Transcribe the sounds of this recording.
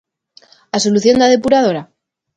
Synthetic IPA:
asoluθjo̞nd̪að̞e̞puɾaðo̞ɾa

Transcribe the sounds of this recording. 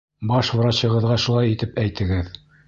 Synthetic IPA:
bɑʃv̆ɾɑɕɤ̆ʁɤ̆ðʁɑʃulˠɑjit̪ɘpæjt̪ʰɘ̆ɡɘð

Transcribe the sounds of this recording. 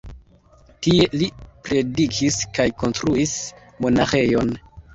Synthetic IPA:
tie̞lipɾe̞dikʰiskajko̞nstɾuis | mo̞naxe̞jo̞n

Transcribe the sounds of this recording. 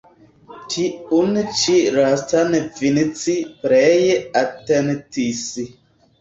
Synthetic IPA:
tʰiʔunt͡ʃiʔɾastanəvinit͡siʔpɾɛjeatɛntisi

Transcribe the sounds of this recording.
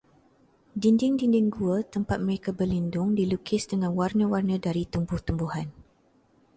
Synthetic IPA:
dindɪŋdindɪŋɡuət̪əmpat̪̚məɾekabərlindʊŋdilukʰɪsdəŋãnwarnə̃warnə̃daɾit̪umbʊht̪umbuhan

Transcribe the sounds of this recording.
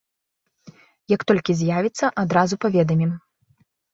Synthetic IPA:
jɐkt̪ɔlʲkʲizʲjavʲit̪sːɐʔad̪ɾazupavʲɛd̪ɐmʲim

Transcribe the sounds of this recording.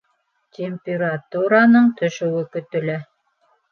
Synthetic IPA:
tʲemʲpʲeɾat̪uɾanɤɴt̪ɵ̆ʃɵ̆wɘkɵ̆t̪ɵ̆læ

